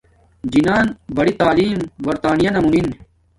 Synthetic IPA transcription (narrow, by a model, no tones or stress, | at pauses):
d͡ʑinaːnbɐɽit̪aːliːmbɐɾt̪aːnijɐnɐmumin